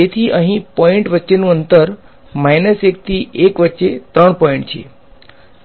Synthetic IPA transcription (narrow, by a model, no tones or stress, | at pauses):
et̪ʰiʔə̃ɦĩpɔiɳʈʋətːʃenũənt̪əɾ | majnəsek̚t̪ʰiʔekʋətːʃet̪ɾəɳpɔĩɳʈt͡ʃʰie